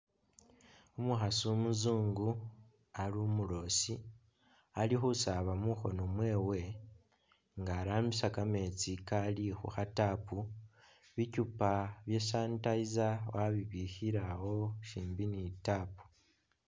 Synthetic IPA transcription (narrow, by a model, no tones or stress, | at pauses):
omuxasumuzuːŋɡu | alumulo̞si | alixusaβamuxo̞nomwe̞ːwe̞ | ŋɡaːɾaːmbisakame̞t͡sikalixṵxatapu | βicupaβje̞saːntaizawaβiβihiɾawo̞ʃiːmbinitaːpu̥